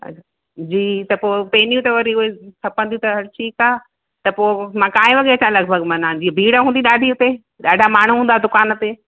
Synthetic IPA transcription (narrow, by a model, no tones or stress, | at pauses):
ɐ̰a | d͡ʑiːt̪ɐpoːpeːnijũt̪ɐʋɐɾiʊɦesʰɐpə̃nd̪iũt̪ɐɦɐɾʈʰiːkaː | t̪ɐpoːmãːkãːɦẽʋɐɠeɐt͡ɕãlɐɡ̚bʱɐɡmɐnaːd͡ʑiːbʱiːɽəɦũːnd̪iɗaːɖʱiʊt̪e | ɗaːɖʱamaːɳ̤uɦũːnd̪ad̪ʊkaːnt̪eː